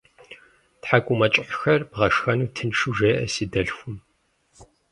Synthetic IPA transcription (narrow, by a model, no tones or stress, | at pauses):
tħakʷʼʊmɐt͡ʃʼɪħʷxɐrbʁɐʂxɐnuːtʰɨnʂuʒeːʔɐ̰sidɐɬxʷʊm